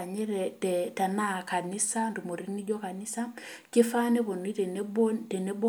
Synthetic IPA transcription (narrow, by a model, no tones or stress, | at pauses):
aɲɛɾɛtɛtanakanisandumoɾinid͡ʒɔkanisakefanɛβɔniɛntɛnɛbɔ